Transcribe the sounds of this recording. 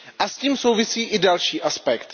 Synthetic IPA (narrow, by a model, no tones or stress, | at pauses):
ʔasciːmso̞wvɪsiːʔɪdalʃiːʔaspɛkt̪